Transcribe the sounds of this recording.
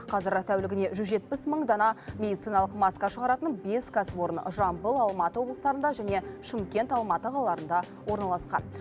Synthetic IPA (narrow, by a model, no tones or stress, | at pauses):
qʰɑzɪɾt̪ʰæwlɪɡʲɪne̞ʒʏzʒe̞t̪̚pɪsməɴd̪ɑnɑmʲe̞d̪ijt̪sijnɑlˠəqmɑskɑʃəʁɑɾɑt̪ənbe̞skʰaswo̞ɾənʒɑmbəlˠɑlˠmɑt̪əwo̞blˠəst̪ɑɾənd̪ɑʒæne̞ʃɪmkʲe̞nt̪ɑlˠmɑt̪əqʰɑlˠɑlˠɑɾənd̪ɑ | wo̞ɾnɑlˠɑsqɑ̰n